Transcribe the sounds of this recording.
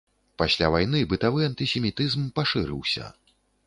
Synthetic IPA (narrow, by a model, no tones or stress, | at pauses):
pasʲlʲavajnɨbɨt̪avɨɐnt̪ɨsʲɛmʲit̪ɨzmpaʂɨɾɨ̰wsʲɐ̰